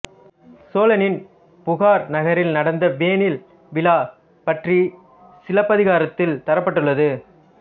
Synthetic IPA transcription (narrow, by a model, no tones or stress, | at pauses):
soːlɐnɪn | pʊɣaːɾnɐɣɐɾɪlnɐɽɐnd̪ɐʋeːnɪl | ʋɪlaː | pɐʈri | sɪlɐpːɐðɪɣaːɾɐt̪ːɪlt̪ɐɾɐpːɐʈːɯɭːɐðɯ